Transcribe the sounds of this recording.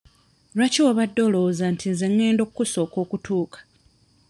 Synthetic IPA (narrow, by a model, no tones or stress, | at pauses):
ɾaciwaβadːo̞lo̞ːzantʰinze̞ŋːe̞ːndo̞kkːuso̞ːko̞ːkutʰuːkḁ